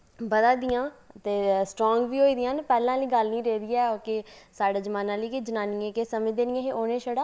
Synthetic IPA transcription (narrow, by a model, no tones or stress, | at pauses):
bəd̪ãːd̪ɪjãːt̪eːsʈɾɔːŋɡʋiːɦoːiːd̪ɪjãːnpɛːlãːləiːɡəlnĩːɾeːd̪iːɛːoːkesaːɽeːd͡ʒəmaːnãːliːkɪd͡ʒənaːnɪjẽːkesəmẽːd̪eːnɪjãːɦeːʔoːnẽːʃəɽaː